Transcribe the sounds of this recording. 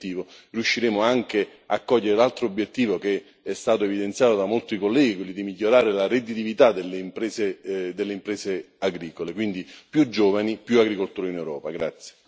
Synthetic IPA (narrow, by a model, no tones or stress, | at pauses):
iːvoriuʃːiɾeːmoaŋk̟ea̰kːɔʎːeɾelalt̪ɾoobːjet̪ːiːvoke | ɛst̪aːt̪oevid̪ent̪sjaːt̪od̪amolt̪ikolːɛːɡikwilːid̪imiʎːoɾaːɾelaɾed̪it̪ivit̪ad̪elːeimpɾɛːsed̪elːeimpɾɛːse | aɡɾiːkolekwind̪ipjud͡ʒːoːvanipjuaɡɾikolt̪uːɾinewɾɔːpaɡɾa̰t̪sje̥